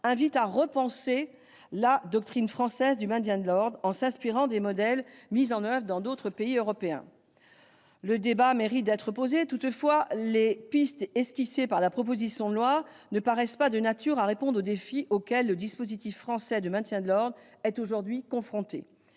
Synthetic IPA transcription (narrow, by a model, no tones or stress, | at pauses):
ɛ̃vit̪aʁəpɑ̃se | lad̪ɔk̚t̪χinfχɑ̃sɛzd̪ymɛ̃t̪jɛ̃d̪əlɔʁd̪ʁɑ̃sɛ̃spiʁɑ̃d̪emɔd̪ɛlmizɑ̃nœvʁəd̪ɑ̃d̪ot̪χəpeiøʁɔpeɛ̰̃ | ləd̪ebameʁit̪̚d̪ɛt̪χəpozet̪ut̪fwalepist̪ɛskʲisepaʁlapχɔp̬ozisjɔ̃d̪əlwanəpaʁɛspad̪ənat̪yʁaʁepɔ̃d̪ʁod̪efiʔokʲɛlːəd̪ispozit̪ifːχɑ̃sɛd̪əmɛ̃t̪jɛ̃d̪əlɔʁd̪ʁ | ɛt̪oʒuʁd̪ɥikɔ̃fχɔ̃t̪e